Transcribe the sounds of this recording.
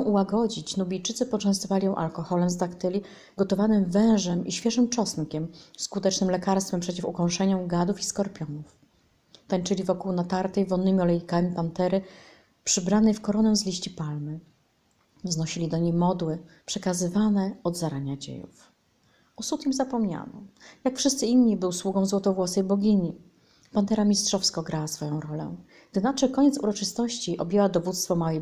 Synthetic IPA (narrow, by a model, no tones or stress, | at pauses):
ɔ̃w̃ʔuwaɡɔd͡ʑit͡ɕnubʲijt͡ʂɘt̪sɘpɔt͡ʂɛ̃w̃st̪ɔvalʲijɔ̃w̃ʔalkɔxɔlɛmzd̪akt̪ɘlʲi | ɡɔt̪ɔvanɘmvɛ̃w̃ʐɛmiɕfʲjɛʐɘmt͡ʂɔsnkʲɛmskut̪ɛt͡ʂnɘmlɛkaɾst̪fɛmpʂɛt͡ɕifukɔ̃w̃ʂɛɲɔɡad̪ufiskɔɾpʲjɔnuf | t̪aɲt͡ʂɘlʲivɔkuwnat̪aɾt̪ɛjvɔnːɘmʲiɔlɛjikamʲipant̪ɛɾɘ | pʂɘbɾanɛjfkɔɾɔnɛ̃zlʲiɕt͡ɕipalmɘ | vznɔɕilʲid̪ɔɲejmɔd̪wɘpʂɛkazɘvanɛɔd̪zaɾaɲad͡ʑḛjṵf | ɔsut̪imzapɔmɲa̰nɔ̰jakfʂɘst̪sɘinɲːibɘwswuɡɔ̃w̃zwɔt̪ɔvwɔsɛjbɔɡʲiɲi | pant̪ɛɾamʲistʂɔfskɔɡɾawasfɔjɔ̃w̃ɾɔlɛ̰ | ɡ̥̚d̪ɘnat͡ʂɛkɔɲɛt̪sṵɾɔt͡ʂɘst̪ɔɕt͡ɕiʔɔbʲjɛwad̪ɔvut̪st̪fɔmawɛ